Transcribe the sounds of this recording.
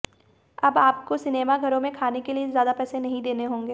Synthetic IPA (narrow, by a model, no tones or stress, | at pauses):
ɐbaːp̚kosɪneːmaɡʱɐɾõmẽkʰaːnekeliezjaːd̪apɛːsenɐɦĩd̪eːneɦõːŋɡeː